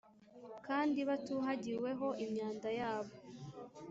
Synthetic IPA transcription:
kaːndiβatuːɦaɟiwe̞ɦo̞ʔimɲaːndajaːβo

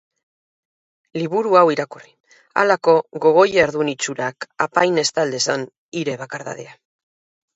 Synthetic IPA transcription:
liβuɾuawiɾakuri | a̰lako̞ɣo̞ɣ̞o̞jeɾðunit͡ʃuɾakapajne̞st̪ald̪e̞san | iɾe̞βakaɾða̰ðea

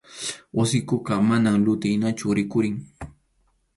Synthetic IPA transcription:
wasɪkʊɢɑmanaŋlʊt̪ɪjnat͡ʃʊɾɪkʊɾɪŋ

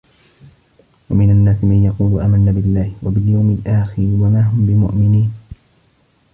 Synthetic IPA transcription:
wamɪnanːaːsɪmanjɑquːlʊʔaːmanːaːbɪlːaːhɪwabɪljawmɪlʔaːxɪɾɪwamaːɦʊmbɪmʊ̰ʔmɪniːn

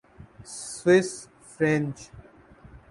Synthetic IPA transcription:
swɪs | fɾɛ̃nt͡ʃ

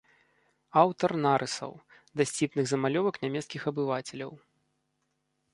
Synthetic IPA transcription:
awt̪ɐrnaɾʔɨsɐ̰w | d̪ɐsʲt͡sʲipnɨɣzɐmalʲɔvɐknʲamʲɛt̪skʲixɐbɨvat͡sʲɛlʲɐw

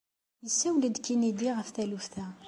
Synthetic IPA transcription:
jəsːæwlid̪kinid̪iʁəfθælufθæ

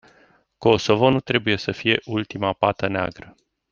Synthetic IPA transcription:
ko̞so̞vo̞nut̪ɾe̞buje̞səfije̞ʔult̪imapat̪ənea̰ɡɾə

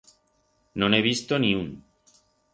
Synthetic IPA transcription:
nõneβ̞ist̪oniun

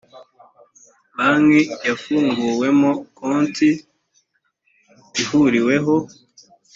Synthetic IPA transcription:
mamŋejafuːŋɡuːwe̞mokuːnti | ihuɾiwe̞ɦo̞

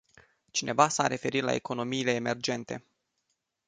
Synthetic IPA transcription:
t͡ʃine̞vasaɾe̞fe̞ɾit̪la̰e̞ko̞no̞miːle̞ːme̞rd͡ʒe̞nt̪e̞̰

